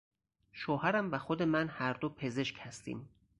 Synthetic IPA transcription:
ʃoːɦæɾæmvæxod̪e̞mænhæɾd̪opʰe̞ze̞ʃchæst̪ḭːm

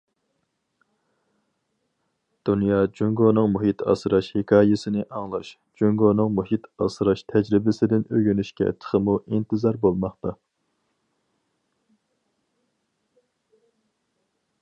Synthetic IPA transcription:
d̪̥unjɑːd͡ʒuŋɡonɨŋmuɦit̪ʰɑ̰sɾɑʃhekʰɑːjɪsɪnɪʔɑŋlˠɑʃ | d͡ʒyŋɡonɨŋmuɦit̪ʰɑ̰sɾɑʃt̪ʰɛd͡ʒɾɪbɪsɪd̪ɪnøɡʲynyʃkʲɛ̰t̪ʰə̥χəmuʔint̪ʰɨzɑɾbolˠmɑχt̪ɑ

